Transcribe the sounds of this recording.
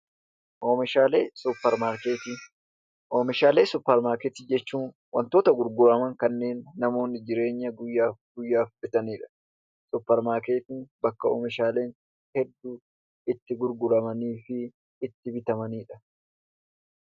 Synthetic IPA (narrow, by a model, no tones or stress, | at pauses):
ʔoːmɪʃaːleːsupːɛɾmaːɾkeːt̪ɪ | ʔoːmɪʃaːle̞ːsʊpːɛɾmaːɾkɛt̪ɪd͡ʒɛt͡ʃːuːn | wɐ̰nt̪o̞ːt̪ɐɡʊɾɡʊɾɐmɐŋkɐnːe̞ːnːɐmo̞ːnːɪd͡ʒɪɾe̞ːɲːɐɡʊjːaːɡʊjːaːfbɛt̪ɐniːᶑɐ̥ | sʊpːɛɾmaːɾkeːt̪ɪnbɐkːɐo̰ːmɪʃaːle̞ːn | hɛd̪ːuː | ɪt̪ːɪɡʊɾɡʊɾɐmɐniːfɪː | t̪ːɪbɪt̪ɐmɐniːᶑɐ̥